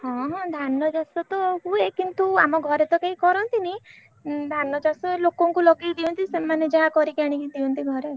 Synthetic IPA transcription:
ɦɔ̃ɦɔ̃d̪ʱanːɔd͡ʒasɔt̪ɔɦuekint̪ua̰mɔɡʱɔɾet̪ɔkeɦikɔɾɔnt̪ini | d̪ʱanːɔd͡ʒasɔelokɔŋkulɔɡid̪iɔnt̪isemaned͡ʒaɦakɔɾikaɽ̃ikid̪iɔnt̪iɡʱɔɾe

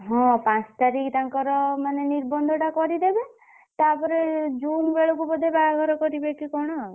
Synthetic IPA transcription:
ɦɔ̃pãt͡ʃt̪aɾikt̪aŋkɔɾɔmaneniɾbɔnd̪ʱɔʈakɔɾid̪ebe | t̪apɔɾed͡ʒumbeɭokubɔd̪ʱebaɡʱɔɾɔkɔɾibekikɔɽ̃ɔ

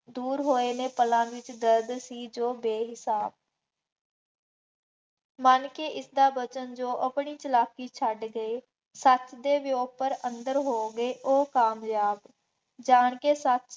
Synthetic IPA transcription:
d̪uːɾɦoːeːnẽːpəlãːʋɪt͡ʃd̪əɾd̪siːd͡ʒoːbeːɦɪsaːb̚ | mənkeʔɪsd̪aːbət͡ʃənd͡ʒoːʔəpɳiːt͡ʃəlaːkiːt͡ʃʰəɖɡəeː | sət͡ʃd̪eːʋɪjoːɡ̚pəɾə̃nd̪əɾɦoːɡəeːʔoːkaːmjaːb | d͡ʒaːɳkeːsət͡ʃ

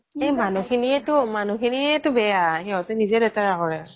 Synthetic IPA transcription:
ejmanukʰiniɛtʊmanukʰiniɛtʊbɛjaɦɛɔtɛnizɛdɛtaɹaɦɔɹɛ

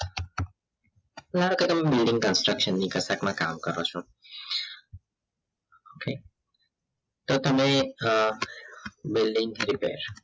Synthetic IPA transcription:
əlaɾoket̪əmebɪlɖĩŋɡkənsʈɾəkʃənːikəsakmãka̰mkəɾot͡ʃʰo | okʰe | t̪ot̪əme | bilɖiŋɡɾipḛɾ

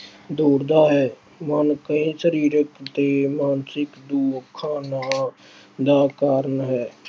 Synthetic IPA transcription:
d̪oːɾd̪aɦɛː | mənkəɦĩʃəɾiːɾəkt̪emaːnsɪkd̪uːəkʰːaːna | d̪akaːɾənɦɛː

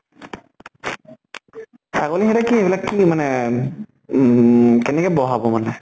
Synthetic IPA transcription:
saɡoliɦɛɾakieblakimane | kɛnekɛbɔɦabomane

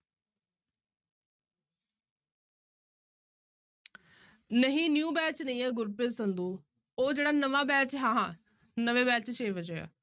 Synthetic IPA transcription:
nəɦĩːnjũːbɛːt͡ʃnəĩːãːɡʊɾpeːsənd̪uː | oːd͡ʒeːɽaːnəʋaːbɛːt͡ʃɦãːɦ | nəʋẽːbɛːt͡ʃʃeːʋəd͡ʒea̰ː

